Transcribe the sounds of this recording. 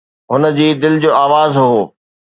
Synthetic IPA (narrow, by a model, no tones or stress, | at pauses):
ɦʊnə̆d͡ʑiːd̪ɪlɪd͡ʑoːaːʋaːzɦoː